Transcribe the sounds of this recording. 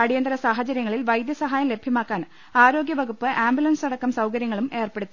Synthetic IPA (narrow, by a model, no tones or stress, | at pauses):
ɐɽijɐnd̪ɐɾɐsaːɦɐt͡ɕɐɾjɐŋːɐɭilʋɐjd̪jɐsɐɦaːjɐmle̞bʱjɐmaːkːaːn | aːɾo̞ːɡjɐʋɐɡupːɨʔaːmbjulɐnsɐɽɐkːɐmsɐwkɐɾjɐŋːɐɭume̞ːrpe̞ɽut̪ːi